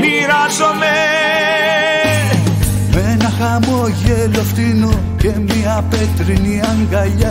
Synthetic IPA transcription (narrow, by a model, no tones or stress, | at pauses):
miɾɐzome | menɐxɐmoʝeloft̪ino | cemiɐpet̪ɾiniɐŋɡɐʎɐ